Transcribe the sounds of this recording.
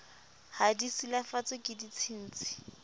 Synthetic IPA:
hadisilafat͡sʼɪkʼɪdit͡sʰin̩ːt͡sʼɪ̥

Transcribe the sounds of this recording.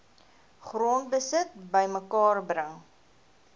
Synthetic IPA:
χruəntbəsət̚bəjməkɑːrbrəŋ

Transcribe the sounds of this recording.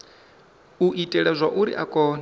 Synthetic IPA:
uʔitʼɛɺɛzʷaʔuɾḭʔakʼɔːn

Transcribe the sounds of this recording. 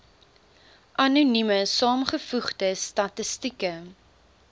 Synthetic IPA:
ʔɐnunyməsɑːmχəfuχdəstɐtəstikə

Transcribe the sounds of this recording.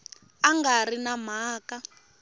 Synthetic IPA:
aŋɡarinam̤aːka

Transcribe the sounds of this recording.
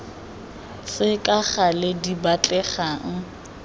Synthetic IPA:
sɪkʼaχalɪdibat͡ɬʼɛχaŋ̩

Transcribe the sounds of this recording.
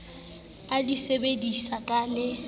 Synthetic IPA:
adisebedisakʼalɪ

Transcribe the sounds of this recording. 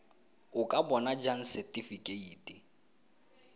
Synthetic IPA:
ʊkʼabɔnad͡ʒan̩sɛtʼifikʼeiːtʼi

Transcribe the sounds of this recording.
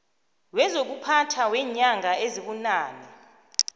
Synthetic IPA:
lwɛzok̬upʰatʰawɛːɲaŋaeziɓunaːnɛ

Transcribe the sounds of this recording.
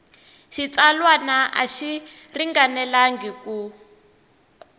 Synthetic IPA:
ʃit͡salwanaʔa̰ʃiriŋɡanɛlaŋɡiku

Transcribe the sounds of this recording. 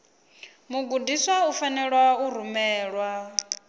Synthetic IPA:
muɡudiswaufanɛɺwauɾ̤umɛːɺwa

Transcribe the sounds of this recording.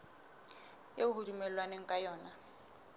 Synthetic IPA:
jeuɦurumɛlwaneŋ̩kʼajɔːna

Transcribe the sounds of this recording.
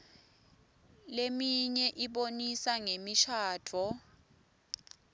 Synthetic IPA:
lemiɲɛʔiɓonisaŋemiʃʰaːd̥ʰʱɔ

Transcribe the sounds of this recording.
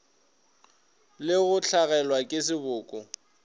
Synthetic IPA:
lɪɣʊt͡ɬʰaɣɛlwakʼɪs̬ɪbʊːkʼʊ

